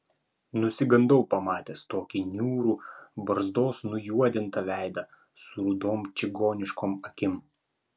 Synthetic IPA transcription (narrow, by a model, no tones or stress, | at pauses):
nʊsʲɪɡɐnd̪ɐʊpɐmɑːt̪ʲeːst̪oːkʲɪnʲuːɾuːbɐɾzd̪oːsnʊjuɔd̪ʲɪnt̪ɐʋʲæˑɪd̪ɐ | sʊɾud̪oːmt͡ʃʲɪɡoːnʲɪʃkoːmɐkʲɪm